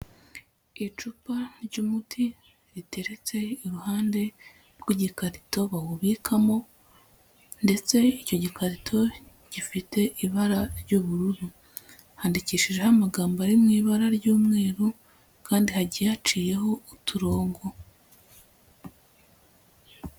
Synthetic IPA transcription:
it͡ʃupaɾɟuːmutʰi | ɾite̞ɾe̞t͡se̞iɾuhaːnde̞ | ɾɡwiɟikaɾito̞βawuβikʰamo̞ | nde̞t͡se̞ico̞ɟikaɾitʰo̞ | ɟ̥ifite̞ʔiβaɾaɾɟuβuɾuɾu | haːndiciːʃiʒe̞hamaɡaːmbaɾimŋiːβaɾaɾɟuːmŋe̞ːɾu | kʰaːndihaɟijat͡ʃiːje̞ho̞utuɾo̞ːŋɡo̞

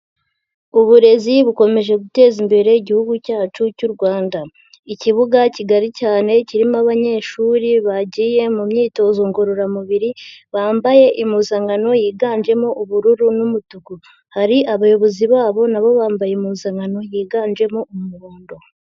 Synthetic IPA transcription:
uβuɾe̞ziβuko̞me̞ʒe̞ɡute̞ːzimbe̞ɾe̞iɟihuɡucaːt͡ʃucuɾɡwaːnda | iciβuɡaciɡaɾicaːne̞ciɾimaβaɲe̞ʃuɾiβaɟiːje̞mumɲiːto̞zoŋɡo̞ɾo̞ɾamuβiɾiβaːmbaje̞ʔimuzaŋɡano̞jiːɡaːnd͡ʒe̞moʔuβuɾuɾunumutuɡu | haɾiʔaβajo̞βo̞ziβaːβo̞naβo̞βaːmbajemuzaŋɡano̞jiːɡaːnd͡ʒe̞moummuɾoːndo̞

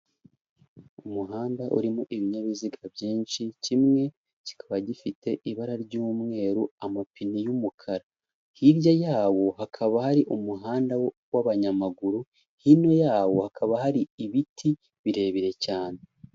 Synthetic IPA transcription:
umuɦaːndaʔṵɾimoʔiβiɲaβiziɡabjiːnʃicimŋe̞ | ci̥kʰaβaɟifite̞ʔiβaɾaɾɟuːmŋe̞ːɾuamapinijumukʰaɾa | hiɾjajaːwo̞ɦakʰaβahaɾiʔumuɦaːnda | waβaɲamaɡuɾu | hino̞jaːwo̞hakʰaβahaɾiiβitʰi | βiɾe̞ːβiɾe̞caːne̞

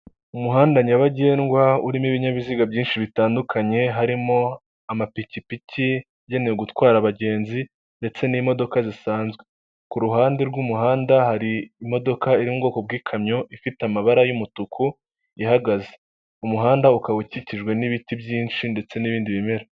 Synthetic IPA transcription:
umuɦaːndaɲaβaɟe̞ːnɡwauɾimiβiɲaβiziɡabjiːnʃiβitaːndukʰaɲe̞ɦaɾimo | amapicipici | aɟe̞nejeɡutwaːɾaβaɟe̞ːnzi | nde̞t͡se̞niːmo̞do̞kazisaːnzɡwe̞̥ | kuɾuɦaːndeɾɡumuɦaːndahaɾiːmo̞do̞kaiɾimubɡo̞ːkob̚ɡiːkʰamɲo̞ʔifitamaβaɾajumutukʰu | ihaɡaze | umuɦaːndaukawuciciʒɡwe̞niβitibjiːnʃinde̞t͡se̞niβiːndiβime̞ɾa

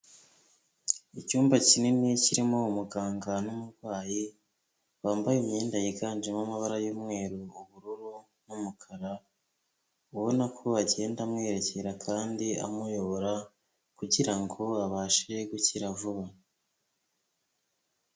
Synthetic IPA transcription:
icuːmbacineniciɾimo̞umuɡaːŋɡanumuɾɡwaːji | βaːmbajimɲeːndajeɡaːnd͡ʒemamaβaɾajomŋe̞ːɾuuβuɾuɾu | numukʰaɾa | uβo̞nakʰoaɟe̞ːndamŋe̞ːɾe̞ce̞ɾakʰaːndia̰mujo̞βoɾa | kuɟiɾaŋɡo̞aβaʃiɾe̞ɡuciɾavuβa

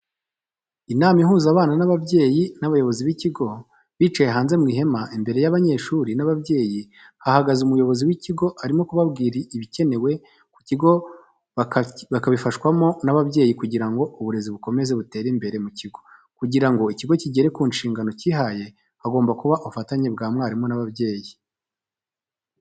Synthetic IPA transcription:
inaːmi̥huːzaːβaːnanaβabje̞ːjinaβajo̞βo̞ziβiciɡo̞ | βiːt͡ʃaje̞ɦaːnze̞mŋiːɦe̞maʔimbe̞ɾe̞jaβaɲe̞ːʃuːɾinaβabje̞ːji | hahaɡazumujo̞βo̞ziwiciɡo̞aɾimo̞kuβabɡiːɾiiβice̞ne̞we̞ | kuciɡo̞ | akaβifaʃkwamo̞naβabɟe̞ːjikuɟiɾaŋɡo̞uβuɾe̞ziβuko̞me̞ze̞βute̞ːɾimbe̞ɾe̞muciɡo̞ | kuɟiɾaŋɡo̞iciɡo̞ciɟe̞ɾe̞kuːnʃiːŋɡano̞ciɦaje̞ | haɡo̞ːmbakuβaʔuufataɲe̞bɡaːmŋaːɾimo̞naβabje̞ːji

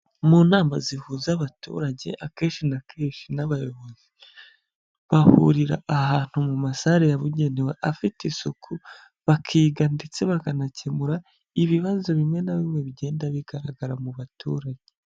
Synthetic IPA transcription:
munaːmazihuːzaβatṵːɾaɟe̞̰ʔake̞ːnʃinakʰeːʃinaβajo̞βo̞z̥i | βahṵɾiɾa̰ːhaːn̥humumasaɾejaβuɟe̞neweʔafitisokʰu | βakʰiːɡandit͡se̞βakanace̞muɾa | iβiβazo̞βimwe̞naβimwe̞βɟe̞ːndaβiɡ̥aɾaɡaɾamuβatʰṵːɾaɟ̥e

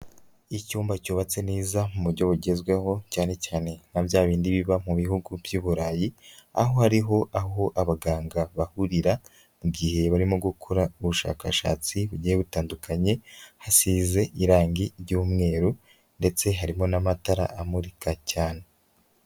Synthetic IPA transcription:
icuːmbacuːβat͡se̞neːzamuβuɾɟo̞βuɟe̞zɡweho̞caːne̞caːne̞nabjaːβiːndiβiβamuβihuɡubjuːβuɾaːjia̰ɦo̞haɾiɦo̞ʔaɦo̞ʔaβaɡaːŋɡaβahuɾiɾa | muɡihe̞βaɾimoɡukʰoɾauβuʃa̰ːka̰ʃa̰ːt͡siβuɟijeβutaːndukʰaɲe̞hasiːze̞ʔiɾaːŋɡiɾɟuːmŋe̞ːɾu | nde̞t͡se̞ɦaɾimo̞namataɾa̰ʔamuɾikʰacaːne̞

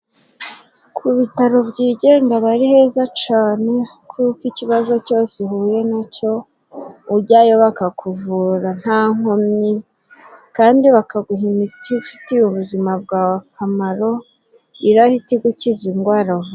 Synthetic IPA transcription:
kʰuβitaɾo̞bɟiːɟe̞ːŋɡaβaɾihe̞ːzat͡ʃaːne̞kʰukiciβazo̞co̞ːsehuje̞naco̞ | uɟaːjo̞βakakʰuvuːɾan̥haːŋ̥omɲi | kaːndiβakaɡuɦimitiufi̥tiuβuzimab̚ɡaːwakʰamaɾo̞ | iɾahitiɡuciziŋɡwaɾo

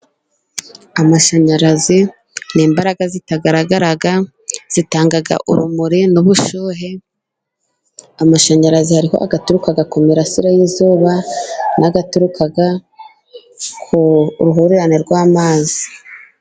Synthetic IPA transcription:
amaʃaɲaɾazi | niːmbaɾaɡazitaɡaɾaɡaɾaɡa | z̥itaːŋɡaɡa̰ʔuɾumuɾinuβuʃuːɦe | amaʃaɲaɾazihaɾiho̞̰ʔaɡatuɾukaɡakumiɾasiɾajizuːβanʔaɡatuɾukʰaɡa | kʰuɾuɦuɾeɾaneɾɡwaːmaːzi

